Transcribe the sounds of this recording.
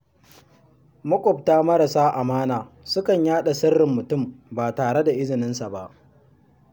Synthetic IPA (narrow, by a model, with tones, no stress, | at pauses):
mʊ˦kʷʼʊ˨p̚taː˦mɐ˦ɾa˨saː˦ʔa˨maː˦naː˨ | sʊ˦kɐ˨ɲjaː˦ɗa˨sɐ˦rːɪ˨mːʊ˨tʊ˦˨mbaː˨taː˨ɽe˦da˨ʔɪ˦zɪ˨nɪ˦nsa˨ba˦ʔ